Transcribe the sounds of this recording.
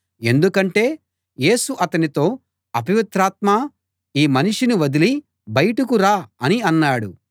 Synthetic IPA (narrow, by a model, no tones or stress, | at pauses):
e̞nd̪ukɐɳʈe̞ː | je̞ːsuʔɐt̪ɐnit̪o̞ː | ɐbiʋit̪ɾaːt̪̚maː | iːmɐniʂiniʋɐd̪ili | bɐjɐʈɐkuɾaːɐniɐnːaːɽṵ